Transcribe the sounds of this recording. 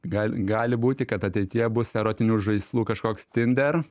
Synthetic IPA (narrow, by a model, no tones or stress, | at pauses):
ɡɑːlʲɡɑːlʲɪbuːt̪ʲɪkɐt̪ɐt̪ʲɛɪt̪ʲɪjɛbʊshɛɾoːt̪ʲɪnʲuːʒɐɪslˠuːkɐʃkoːkst̪ʲɪnʲd̪ʲɛɾ